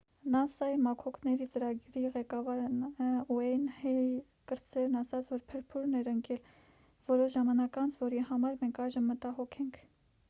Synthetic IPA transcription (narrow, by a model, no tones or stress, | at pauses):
nɑsɑimɑkʰɔkʰnɛɾit͡səɾɑɡɾiʁɛkɑvɑɾnuɛnhɛ | kəɾt͡sɛɾnɑsɑt͡sʰvɔɾpʰəɾpʰuɾnɛɾəŋkɛl | vɔɾɔʃʒɑmɑnɑkɑnt͡sʰvɔɾihɑmɑɾmɛŋkʰɑjʒəmːət̪ɑɦɔkʰɛŋkʰ